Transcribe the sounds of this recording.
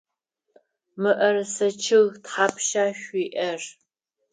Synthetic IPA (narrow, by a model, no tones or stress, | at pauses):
mɨʔɐrsɐt͡ʃʰɪɣtħapʰʃaːʃʷiːʔɐr